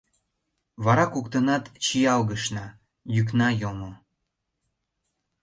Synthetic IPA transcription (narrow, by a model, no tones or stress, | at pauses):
βɑɾɑkukt̪ənɑt̪t͡ɕijɑlɣəʃnɑ | jyk̬nɑjomo